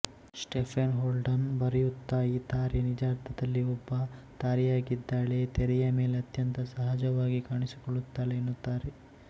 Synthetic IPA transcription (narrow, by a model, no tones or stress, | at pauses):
sʈepʰenɦoːlɖɐnbɐɾijut̪ːaːjit̪aːɾinid͡ʒaːɾt̪ʰɐd̪ɐlːiɔbːɐt̪aːɾijaːɡid̪ːaːɭet̪eɾɛjɐme̞ːleɐt̪jɐnt̪ɐsɐɦaːd͡ʒɐʋaːɡikaːɳisi̥koɭut̪ːaːleːnːut̪ːaːɾe